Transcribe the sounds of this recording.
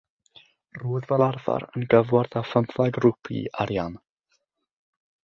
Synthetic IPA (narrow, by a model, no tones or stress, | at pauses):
ruːðvɛlˠarva̰ɾənɡəvwarðafəmθaɡrupʰḭaɾjan